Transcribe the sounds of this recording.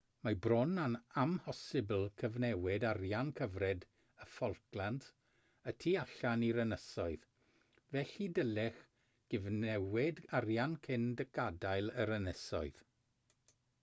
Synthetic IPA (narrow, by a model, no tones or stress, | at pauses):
mabrɔnanamhɔsɪblˠkʰəvnɛwɪdarjankʰəvrɛd | əfɔrklˠantʰ | ətʰiːaɬaniɾənəsɔɨð | vɛɬidəlɛχ | ɡ̥ɪvnɛwɪdarjankʰɪndəɡadajlˠəɾənəsɔɨð̥